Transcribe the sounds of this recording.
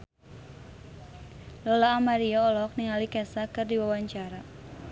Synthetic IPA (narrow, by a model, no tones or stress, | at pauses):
lɔlaːmaɾiaɔlɔk̚niŋalikɛsakɨrdiwawaɲt͡ʃaɾa